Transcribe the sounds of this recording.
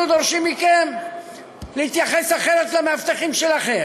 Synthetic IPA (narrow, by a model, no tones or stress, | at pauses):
ud̪o̞ʁʃimːikem | lehit̪jaχe̞saχe̞ɾʁet̪lameavt̪aχimʃelaχe